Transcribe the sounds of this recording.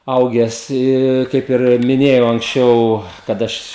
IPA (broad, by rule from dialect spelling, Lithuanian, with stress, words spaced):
ˈɐʊɡʲɛs ˈɪ ˈkɐɪp ɪr mʲɪˈnʲeːjɛʊ ɐŋksʲˈt͡ʃʲɛʊ kɐt ˈɐʃ